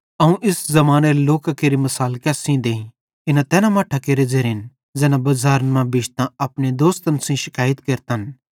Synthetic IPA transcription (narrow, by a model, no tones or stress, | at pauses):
ɐũʔɪszɐmaːneɾeloːkakeːɾimɐsaːlkɛːsĩd̪eːĩ | ɪnãt̪ɛːnamaːʈʰakeːɾed͡zeɾɦɪn | d͡zɛːnãbɐzaːɾənmãbɪʃt̪ãɐpɽ̃ed̪oːst̪ɐnsĩʃɪkaːjət̪keɾt̪ən